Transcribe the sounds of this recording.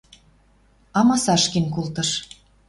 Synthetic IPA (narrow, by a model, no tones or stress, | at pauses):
ɑmɑsɑʃkinʲkult̪ɤ̆ʃ